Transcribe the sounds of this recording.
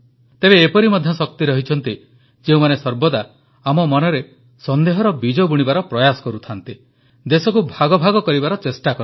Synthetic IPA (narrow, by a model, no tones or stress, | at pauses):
t̪ebeːpɔɾimɔd̪ʱjɔsɔk̚t̪iɾɔɦit͡ʃʰɔn̪t̪i | d͡ʒeũmanesɔɾbɔd̪a | amɔmɔnɔɾe | sɔnd̪eɦɔɾɔbid͡ʒɔbuɽ̃ibaɾɔpɾɔjasɔ̥kɔɾut̪ʰant̪i | d̪esɔkubʱaɡɔbʱaɡɔkɔɾibaɾɔt͡ʃesʈakɔɾ